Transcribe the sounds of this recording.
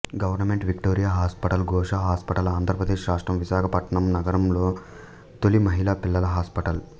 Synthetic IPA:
ɡɐʋɐɾnɐmeɳʈʋikʈoːɾijaːɦaːspɐʈɐlɡɔːʂaːɦaːspɐʈɐlaːnd̪ʱɾɐpɾɐd̪eːʃɾaːʂʈɾɐmʋiʃaːkʰɐpɐʈɐɳɐmnɐɡɐɾɐmloː | t̪olimɐɦilaːpilːɐlɐɦaːspɐʈɐl

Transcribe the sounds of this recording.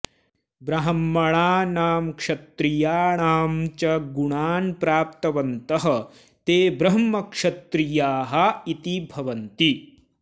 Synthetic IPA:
bɾɐɦɐmːɐɭaːnaːmkʂɐt̪ɾijaːɳaːmt͡ʃɐɡuɳaːnpɾaːp̚t̪ɐʋɐnt̪ɐɦɐ̆ | t̪eːbɾɐɦɐmːɐkʂɐt̪ɾijaːɦɐit̪ibʱɐʋɐnt̪i

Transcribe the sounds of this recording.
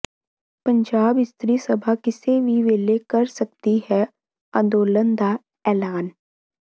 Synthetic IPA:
pə̃ɲd͡ʒaːbɪst̪ɾiːsəbʱakɪseʋiʋeːlekɐɾsɐk̚t̪iɦɛ | ã̰ːnd̪oːlənd̪a | ɛːlaːn

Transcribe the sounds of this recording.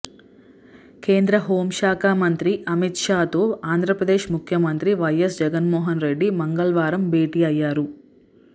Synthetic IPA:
ke̞ːnd̪ɾɐɦo̞ːmʃaːkʰaːmɐnt̪ɾiʔɐmit̪ʂaːt̪oːaːnd̪ɾɐpɾɐd̪eːʃmukʰjɐmɐnt̪ɾiʋɐjɐsd͡ʒɛɡɐnmɔːɦɐnɾe̞ɖːimɐŋɡɐɭʋaːɾɐmbʱeːʈiːɐjːaːɾu

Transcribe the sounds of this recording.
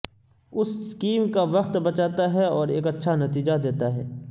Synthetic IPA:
ʊsskiːmkaʋɐqt̪bɐt͡ʃaːt̪aɦɛɔːɾeːkɐtːʃʰanɐt̪iːd͡ʒad̪eːt̪aɦɛ̰ː

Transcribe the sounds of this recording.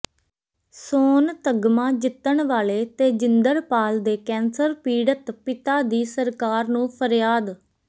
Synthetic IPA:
soːnt̪əɡmãːd͡ʒɪt̪ːəɳʋaːleːt̪eːd͡ʒɪnd̪əɾpaːld̪eːkɛ̃ːnsəɾpiːɖət̪pɪt̪aːd̪iːsəɾkaːɾnũːpʰəɾjaːd̪

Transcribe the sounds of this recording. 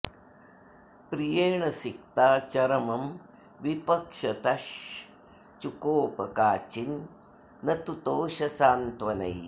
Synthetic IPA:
pɾijeːɳɐsik̚t̪aːt͡ʃɐɾɐmɐm | ʋipɐkʂɐt̪ɐʃ | t͡ʃukoːpɐkaːt͡ʃinː | ɐt̪ut̪oːʃɐsaːnt̪ʋɐnɐ̰j

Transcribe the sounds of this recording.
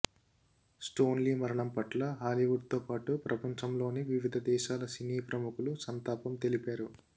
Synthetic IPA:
sʈo̞ːnliːmɐɾɐɳɐmpɐʈlɐɦaːliʋuɖ̚t̪oːpaːʈupɾʔɐpɐɲt͡ʃɐmlo̞ːniʋiʋid̪ʱɐd̪ɛːʃaːlɐsiniːpɾɐmukulusɐnt̪aːpɐmt̪e̞lipaːɾu

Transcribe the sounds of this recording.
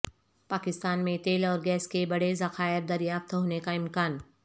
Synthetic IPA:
paːkɪst̪aːnmẽt̪eːlɔːɾɡɛːskebɐɽezɐxaːjəɾ̚d̪ɐɾjaːft̪ɦoːnekaɪ̃mkaːn

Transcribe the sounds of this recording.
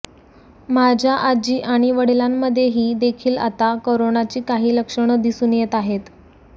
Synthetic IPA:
mad͡ʑʱjaʔad͡ʑiːʔaɽ̃iʋəɽ̤ilamːəd̪ʱːjeɦiːd̪ekʰiːla̰t̪akoɾonat͡ɕiːkaɦiːləkʂəɳəd̪isuːnjet̪aɦet̪

